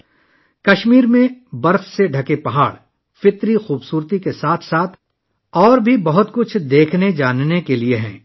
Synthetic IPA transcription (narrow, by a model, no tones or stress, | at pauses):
kɐʃmiːɾmẽbɐɾfseɖʱɐkepɐɦaːɽ | fɪt̪ɾixuːbsuːɾt̪ikesaːt̪ʰsaːt̪ʰ | ɔːɾbʱibɐɦʊt̪kʊt͡ʃʰd̪eːkʰned͡ʒaːnnekelieɦɛ̰̃ː